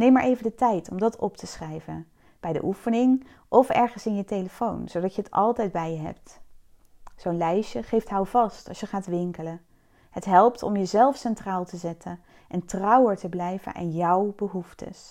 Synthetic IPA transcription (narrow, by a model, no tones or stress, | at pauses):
nejmaːɹʔejvəndətɛjtʰɔmdɑtʰɔptʰəsχrɛjvən | b̥ɛjdə̰ʔufənɪŋ | ʔɔfɛ̰ɹχənsɪnjətejləfownzowdɑcjəətɑ̰lˠtɛjdbɛjəɦɛ̰p̚t | z̥ownlɛjʃəχejftɦawvɑstɑ̰lsjəχaːtʋɪŋkələ | hətɦɛlˠptɔmjəzɛlˠfsɛntraːlˠtəzɛtʰən | ʔɛntrɑwəɹtəblɛjvə̰nʔa̰njɑwbəɦuftʰə̰s